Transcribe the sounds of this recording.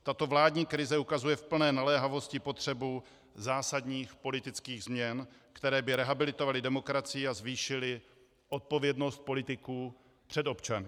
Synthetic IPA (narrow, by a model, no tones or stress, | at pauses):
t̪at̪o̞vlaːdɲiːkɾɪzɛukazujɛfpl̩nɛːnalɛːɦavo̞scɪpo̞t̪r̥ɛbu | zaːsad̪ɲiːxpo̞lɪt̪ɪt͡skiːɣzmɲɛn | kt̪ɛɾɛːbɪɾɛɦabɪlɪt̪o̞valɪdɛmo̞kɾat͡sɪjɪazviːʃɪlɪ | ʔo̞t̪̚po̞vjɛdno̞st̪̚po̞lɪt̪ɪkuː | pr̝̥ɛd̪o̞pt͡ʃanɪ